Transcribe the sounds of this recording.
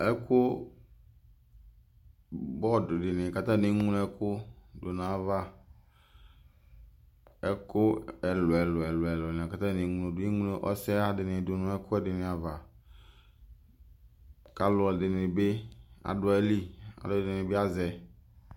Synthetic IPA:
ɛ˦kʰʊ˦ | bɔ˦dʊ˨dɪ˨nɪ̃˨ka˦t̪ã˦ne˨˦ŋũ˦n˦ɛ˦kʰʊ˦dʊ˨nã˨va˦ | ɛ˦kʊ˦ɛ˨lʊ˨ɛ˨lʊ˨ɛ˨lʊ˨ɛ˨lʊ˨nɪ̃˨ka˦t̪ã˦ne˨˦ŋu˦no˨dʊ˨˦e˦ŋũ˦n˦ʔɔ̰˦sɛ˦a˨dɪ˨nɪ̃˨dʊ˨nʊ̃˨˦ɛ˦kʰʊ˦ɛ˦dɪ˨nɪ̃˨a˨va˨ | ka˨lʊ˨dɪ˨nɪ̃˨be˦a̰˨dʊ˨ɛ˦li˦a̰˨dʊ˨˦˨dɪ˨ɪ˨bɪ˦a˦zɛ˨

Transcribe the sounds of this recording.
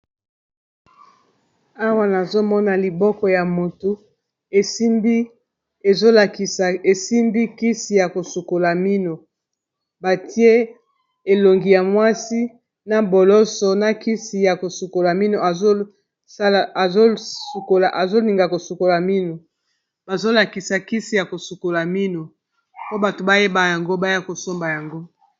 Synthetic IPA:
a˦wa˦na˨zo˦mɔ˦na˨li˨bɔ˦kɔ˨ja˨mo˨tu˨ | e˨i˦mbi˦ | e˨zo˦la˨ki˨a˨e˨si˦mbi˦ki˦si˨ja˨ko˨su˨ko˨la˨mi˦no˨ | ba˨ti˦e˦ | e˨lo˨ŋɡi˨ja˨mwa˦si˦ | na˦bo˨lɔ˦sɔ˨na˦ki˦si˨ja˨ko˨su˨ko˨la˨mi˦no˨a˨zo˦ | sa˦lzo˦su˨ko˨la˨ʔa˨zo˦li˨ŋɡa˨ko˨su˨ko˨la˨mi˦no˨ | ba˨zo˦la˨ki˨sa˨ki˦si˨ja˨ko˨su˨ko˨la˨mi˦no˨ | po˦ba˨to˨ba˦je˦ba˨ja˨ŋɡo˦ba˦ja˦ko˨so˦mba˨ja˨ŋɡo˦

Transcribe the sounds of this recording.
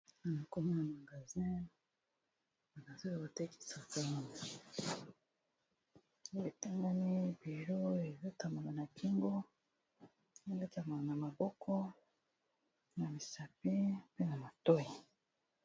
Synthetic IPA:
a˨na˨ko˦ma˦na˨ma˨ɡa˨zi˦ | a˨na˨zo˦a˨o˨te˦ki̥˦sa˨fa˦ni˨˦ | e˨ta˦ŋɡa˦mi˦bi˨ʒo˦e˨zo˦ta˨ma˨la˨na˨ki˦ŋɡo˦˨ | e˦ŋɡo˦ta˨ma˨la˨na˨ma˨bɔ˦kʰɔ˦ | na˨mi˨sa˨pi˦pe˦na˨ma˨to˦ji˨

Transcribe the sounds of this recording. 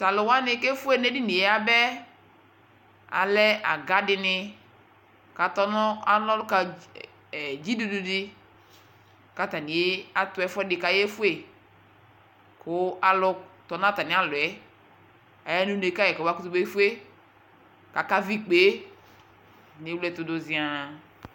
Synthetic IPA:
ta˨lʊ˨wa˦nɪ˦ke˦fu˦e˦ne˦dɪ˦ni˨e˨˦a˦bɛ˦ | a̰˨lɛ˦a̰˨ɡa˦dɪ˨nɪ˧ | ka˨tɔ˦nɔ˦a˨lɔ˦lka˨ | d͡ʒi˦du˨du˨dɪ˦ | ka˨ta˨ni˨e˦a˦tʊ˨˦ɛ˦fɛ˦dɪ˨ka˨jɛ˦fu˦e˦˨ | kʊ˨˦a˨lʊ˦t̪ɔ˨nã˦t̪a˨nɪ̃˨˦a˦lʊ˨ɛ˦ | a˨ja˦nũ˦ne˨˦ka˦jɛ˨kɔ˨ba˦ku˦t̪u˦be˦fu˦e˦ | ka˨ka˦vi˦k͡pe˨˦ | nɪ̃˨˦wlɛ˨t̪ʊ˨do˨zi˨a˨

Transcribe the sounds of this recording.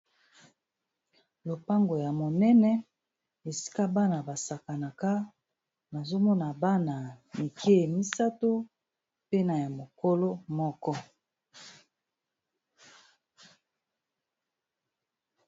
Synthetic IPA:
lo˨pa˦ŋɡo˨ja˨mo˨nɛ˦nɛ˦ | e˨si̥˦ka˦ba˦na˨ba˨sa˨ka˨na˨ka˦ | ba˨zo˦mɔ˦na˨ba˦na˨mi˨kʰe˦˨mi˦sa˦to˦ | pe˦na˨ja˨mo˨ko˦lo˦mɔ˦kɔ˦

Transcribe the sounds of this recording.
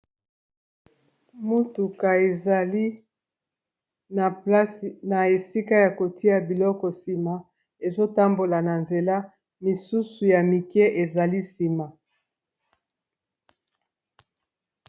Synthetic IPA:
mu˦tu˨ka˨e˨za˨li˦ | na˨pla˦sna˨e˨si˦ka˦ja˨ko˨tʰi˦a˨bi˨lɔ˦kɔ˨si˨ma˨ | e˨zo˦ta˦mbo˨la˨na˨nze˨la˦ | mi˨su˦su˨ja˨mi˨kɛ˦ʔe˨za˨li˦si˨ma˨

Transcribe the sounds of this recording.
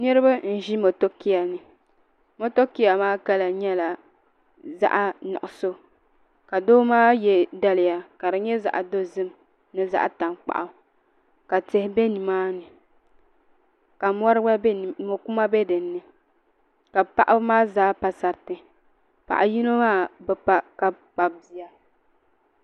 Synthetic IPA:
nɨ˦ɾɨ˦ba˦n̩˦˨ʒi˦mo˨to˦ki˦ja˨nɨ˨ | mo˦to˦ki˦ja˨maː˦ka˦la˨ɲɛ˦la˨ | za̰˦ʔa˦nɔ̰˨ʔʊ˨so˦ | ka˨do˦maː˦jɛ˦da˦lɪ˨ja˨ka˨ɾɨ˨ɲɛ˦za̰˨ʔa˨do˦zɨ˦m | nɨ˨za̰˦ʔta˨nk͡pa̰˨ʔa˨ | ka˨te˨hɪ˦bɛ˦ni˨maː˦nɨ˨ | ka˨mɔ˦ɾɨ˦ba˦˨mo˨ku˦ma˦bɛ˦dɨ˨nːɨ˨ | ka˨pa̰˨ʔa˦maː˦zaː˨˦pa˨sa˨ɾtɨ˨ | pa̰˨ʔa˨ji˦no˦maː˦bɛ˨pa˨ka˨ | k͡pa˨bbi˨ja˦

